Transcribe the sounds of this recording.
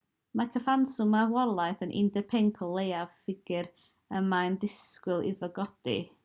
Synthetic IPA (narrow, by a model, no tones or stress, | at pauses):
makʰəfansʊmawɔlˠaɨθənʔɪ̰ndɛpʰeŋkʰɔlˠejav̥fɪɡɨɾ | əmandɪskwɪlˠɪ̰ðɔɡɔd̥ḭ